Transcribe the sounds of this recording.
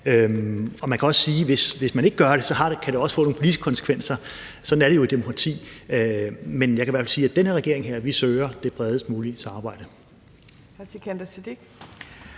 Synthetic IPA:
øɒ̽mænkʰæɒ̽ssiːʋe̝sʋe̝smæne̝ɡ̥əɡ̥ɶɐɾ̥e̝sɒ̽ɦɑ̈d̥ekʰæɾ̥e̝ɒ̽səfɔ̰̽ːnoŋnpʰolidisɡ̥ə̥kʰɒ̽nsə̥kʰʋen̰sɐ | sɒ̽d̥n̩æɐɾe̝jo̝id̥emo̝kʰʁɑ̈t͡sʰḭː | menjɑ̈kʰæʋæɐfɛlsiːæd̥enəʁɛɡe̝ɐe̝ŋɦeɐ̰ʋisøːɪɐd̥e̝b̥ʁɛð̞ˠəsd̥muːlisʰɑ̈mɑbɑ̈ɪ̰d̥ə | hæsikʰænd̥ɐsid̥iɡ̥

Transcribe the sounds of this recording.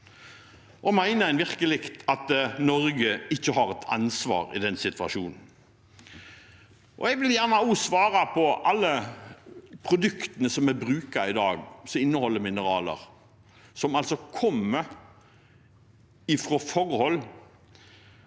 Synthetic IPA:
ʔɔmæɪnəæɪnʋɪʁkəlɪkt̪ʰɑt̪nɔɾɡəɪçːəɦɑɾɛt̪ʰɑ̰nsʋɑ̰ːɾɪ̰d̪ɛnsɪt̪ʋɑ̰ʃuːnn̩ | ʔɔ̰ɛɡʋɪljæʁnəʊːsʋɑːɾɑpʰɔʔɑlːə | pʰɾʊd̪ʉkt̪ənəsɔmæbɾʉːkɑɪd̪ɑːɡsɔɪnːəhɔlːəmɪnəʁɑːlə̰ɾ | sɔmɑlsɔkʰɔmːə | ɪfʁɔfɔɾhɔlː

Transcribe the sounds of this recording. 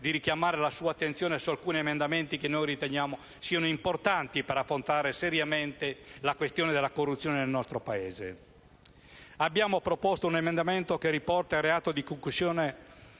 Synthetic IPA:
d̪iɾikjamaːɾelasuːaːt̪ːent̪sjoːnesualkuːniemend̪ament̪ikenːojrit̪eɲjaːmo | siːanoimport̪ant̪ipeɾafːɾont̪aːɾeseɾjament̪elakwest̪joːned̪elːakorːut̪sːjoːnenelnɔst̪ɾopaeːzḛ | abːjaːmopɾopɔst̪ounemend̪ament̪okeripɔrt̪aireaːt̪od̪ikoŋkluzjoːne

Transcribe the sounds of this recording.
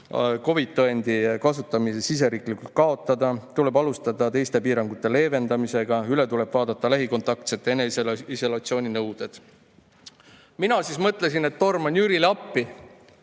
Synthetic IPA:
ko̞vit̪ːoend̪̥ikɑsut̪ːˑɑmisesis̬e̞ɾiːklikːult̪̚kɑo̞t̪ːˑɑd̪̥ɑt̪ule̞bɑlust̪ɑd̪̥ɑt̪e̞jst̪e̞piːɾɑŋɡ̥ut̪ːˑe̞le̞ːve̞nd̪ɑmise̞ɡ̥ɑyle̞t̪ule̞b̥vɑːd̪̥ɑt̪ˑːɑlæɦiko̞nt̪ːˑɑk̚t̪se̞t̪ːˑeneiso̞lɑt̪sio̞ːnʲinɤwd̪̥e̞d̪̥ | minɑsismɤt̪ˑle̞s̬ine̞t̪ːo̞rmonʲjyɾilɑpːi

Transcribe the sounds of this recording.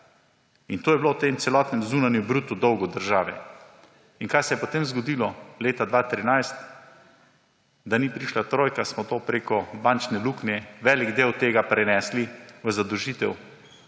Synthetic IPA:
int̪oːjɛblowt̪emt̪sɛlɔːt̪nɛmzuːnanjubɾuːt̪ud̪ɔwɡɔd̪əɾʒaːʋɛ | inkajsɛjɛpɔt̪emzɡɔd̪iːlɔleːt̪ad̪ʋat̪ɾinajst̪ | d̪anipɾiʃlat̪ɾoːjkasmɔt̪oːpɾekɔbant͡ʃnɛluknɛʋɛliɡd̪eːwt̪eːɡapɾɛnɛsliʋəzad̪əwʒiːt̪ɛw

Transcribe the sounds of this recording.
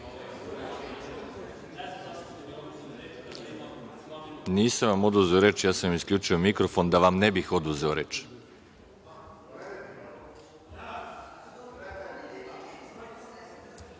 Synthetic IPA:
niːsamʋamo̞d̪uzeoɾet͡ʃjaːsamiskʎʲuːt͡ʃiomikɾofo̞nd̪aʋamnebixod̪uzeoɾet͡ʃ

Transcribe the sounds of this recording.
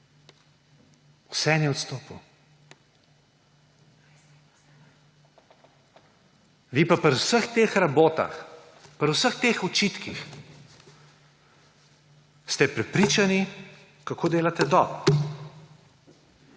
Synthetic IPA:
wsɛnjɛɔt̪st̪oːpu | ʋipapɾwsəxt̪exɾaboːt̪a̰x | pɾwsəxt̪eːxɔt͡ʃit̪kix | st̪ɛpɾɛpɾit͡ʃani | kakoːd̪eːlat̪ɛd̪ɔb

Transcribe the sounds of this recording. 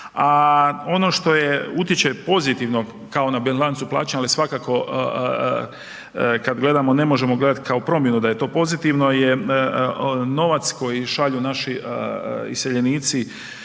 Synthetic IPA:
ao̞no̞ʃt̪o̞jeut̪jet͡ʃe̞po̞zit̪iʋno̞ | kao̞nabenlˠansupla̰ːt͡ʃalisʋakako̞ | kad̪ɡle̞d̪amo̞ne̞mo̞ʒe̞moɡle̞d̪at̪kaopɾo̞mjenud̪ajet̪o̞ːpo̞zit̪iʋno̞je | no̞ʋat̪sko̞jiʃaʎunaʃi | ḭse̞ʎe̞niːt̪si

